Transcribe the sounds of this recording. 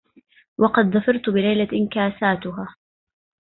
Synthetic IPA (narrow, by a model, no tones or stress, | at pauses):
wɑqɑd̪ðˤɑfɑɾˤt̪bɪlajlaʔɪnkaːsaːt̪ʊɦaː